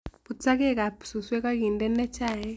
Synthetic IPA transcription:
pu˨t͡sa˦kɛ˦˨ka˨psu˨swɛ˦ka˦ki˨ndɛ˦nɛ˦t͡ʃa˦˨ɛ˦

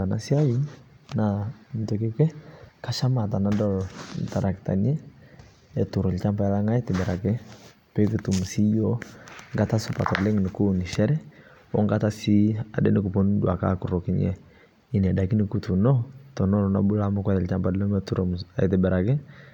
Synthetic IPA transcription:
a˨na̰˨si˦a˦ji˦nna˨m̩˨tɔ˨ke˦kɛ˦ka˦ʃa˦ma˨ta˨na˦dɔ˦ln̩˨ta˨ɾʔa˨kta̰˨nɛ˦ | ɛ˨tu˨ɾɔ˨lt͡ʃa˦mpa˨˦la˦ŋa˦i˦tɪ˨bɛ˨ɾa˨kɛ˦ | pɛ˦ku˨tu˨m˨si˦jo˦ŋɡa˦ta˦sʊ˨pa̰˨ta˨lɛ˦ŋ˨nɪ˨ku˦ni˨ʃɛ˦ɾɛ˦ | ɔ˦ŋɡata˦si˦a˨dɛ̰˦nɪ˦ku˨po˦ndwa˨ka̰˦ku˨ɾo˨kɪ˦ɲɛ̰˨ | ɪ˨nɛ˨da˨ki˦nɪ˦ku˨tu˨nɔ˦tɔ˨nɔ˦lna˨bu˦la˦ma˦kwɛ˦ɾɛ˨lt͡ʃa˦mba˨do˦mɛ˦tu˦ɾo˨ma˨i˨tɪ˨bɛ˨ɾa˨kɪ˦

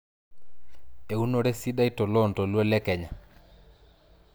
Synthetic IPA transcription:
e˨u˦no˨ɾɛ˦si˦ɗa˦i˦tɔ˨lɔ˦ntɔ˨lwɔ˦lɛ˦kɛ˨ɲa˨

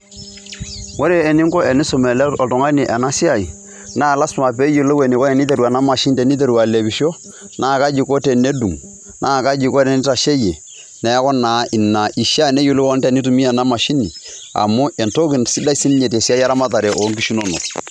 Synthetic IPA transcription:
wo˦ɾe˦ɛ˨ni˦ŋkɔ˦ɛ˨ni˦so˨mɛ˨lɛ˦ɔ˨tɔ˨ŋa˦ni˨ʔɛ˨na˦si˦a˨i˨ | naː˦˨la˦sma˨p̬e˦jo˨lo˦we˨ni˨kɔ˦ɛ˨ni˦t̬e˨ɾu˨a˨na˦ma˨ʃi˦n˦te˨ni˦t̬e˦˨ɾu˨a˨le˨bi˨ʃo˦ | nʔaː˦˨ka˦d͡ʒi˨ko˦te˨ne˦du˨ŋ | nʔa˦˨ka˦d͡ʒi˨kɔ˦ɾe˨ni˦ta˨ʃe˦je˨ | nɛ˨˦kɔ˦naː˨ʔɪ˨nːa˨ʔi˨ʃa˦˨ne˦jo˨lo˦wɔ˦tɛ˦˨ni˦tu˨mi˦a˨na˦ma˨ʃi˦ni˨a̰˨mu˦ʔɛ˨nto˦ki˨nsi˦da˦i˦si˦n˦ɲe˨te˨si˦a˦i˦a˦ɾa˦ma˦ta˨ɾɛ˨ʔo˨˦ŋki˦ʃu˦no˦no̰˨

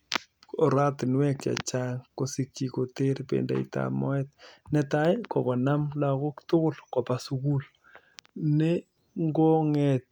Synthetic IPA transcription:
ɔ˨ɾa˦tɪ˨nwɛ˦ka̰˨t͡ʃa˦ŋko˨si˦ki˨ko˨te˦ɾpḛnda̰ḭta̰mɔ˦ɛt̚nɛ˦ta˦jkɔ˨kɔ˨na˦mla˨ko˦ktʊ˦kʊ˦lkɔ˨pa˨su˦ku˦l | ne˦ | ŋɡo˦ŋɛ˨t̚

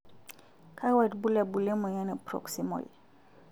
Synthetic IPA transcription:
kʰa˦wa˦˨tbu˦lɛ˨bu˨le˦mo˨ja˦ne˨pɾɔ̰˨ksi˦mɔ̰˨l

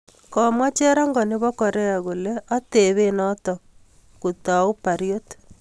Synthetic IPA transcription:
kɔ˨mwa˦t͡ʃɛ˦ɾɔ˦ŋɡɔ˨nɪ˦βɔ˦kɔ˨ɾɛ˦a˨ɣu˨leʔa˦te˨βe˦nɔ˦tɔ˨ | ku˨ta˨u˦pa˨ɾjot

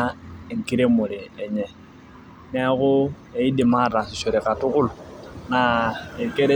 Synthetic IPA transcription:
ŋ̩˨ki˦ɾe˦mo˨ɾeː˨ɲɛ˨ | ne˦ko˦ | e˨i˦de˨ma˦ɾa˨si˨so˨ɾe˨ka˨tu˦ku˦lu˨na˨e˨ke˦ɾe˦

